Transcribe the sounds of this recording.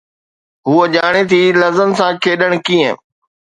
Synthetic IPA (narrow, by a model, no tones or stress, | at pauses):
ɦuəʄaːɽ̃et̪ʰiːlɐzənsãːkʰeːɗəɽ̃kiə̰̃